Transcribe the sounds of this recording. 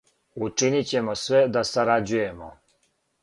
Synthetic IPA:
ut͡ʂinit͡ɕɛmɔsʋɛd̪asaɾad͡ʒujɛmɔ̰

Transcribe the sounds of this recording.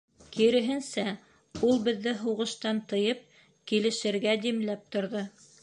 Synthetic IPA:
kiɾɘ̆ɦɘ̆nsæ | ulˠbɘ̆ðːɘɦuʁɤ̆ʃt̪ɑnt̪ɤ̆jɤp̚ | kilɘ̆ʃɘ̆ɾɡæd̪imlæp̚t̪ŏɾðɤ

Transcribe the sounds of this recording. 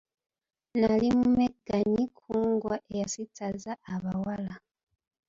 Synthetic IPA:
nalimumeɡaɲikʰuːŋɡwaʔejasitʰazaːβawala

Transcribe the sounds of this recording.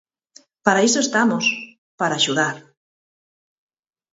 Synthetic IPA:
paɾaesoest̪amos | paɾaːʃuðaɾ

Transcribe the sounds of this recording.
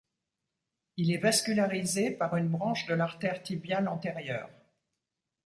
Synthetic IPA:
ilɛvaskʲylaʁizepaʁynbʁɑ̃ʃd̪əlaʁt̪ɛʁt̪ibjalɑ̃t̪eʁjœːʁ

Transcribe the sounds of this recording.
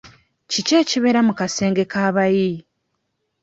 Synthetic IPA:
cice̞ːciβe̞ɾamukase̞ːŋɡe̞kaːβaji

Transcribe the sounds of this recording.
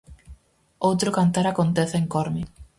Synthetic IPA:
owt̪ɾʊkant̪aɾakont̪eθeeŋkoɾmi

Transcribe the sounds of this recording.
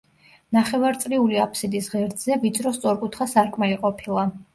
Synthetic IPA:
naχɛvaɾt̪sʼliuliapʰsid̪isʁɛɾd̪zɛvid̪sɾɔst̪sʼɔɾkʼut̪ʰχasaɾkʼmaliqʼɔpʰilˠa

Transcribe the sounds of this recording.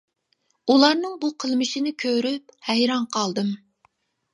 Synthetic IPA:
ulˠɑɾnɨŋbuqʰəlˠmɨʃinɪkʲʰøɾyp̚hɛjɾɑŋqʰɑlˠd̪ɨm

